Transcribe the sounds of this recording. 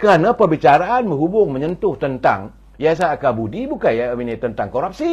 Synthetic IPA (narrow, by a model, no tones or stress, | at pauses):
kəɾanãpərbit͡ʃaɾaʔanmə̃ɦubʊŋmə̃ɲənt̪ʊht̪ənt̪a̰ŋ | jas̬aakabudibukanjaminit̪ənt̪aŋkoɾap̚si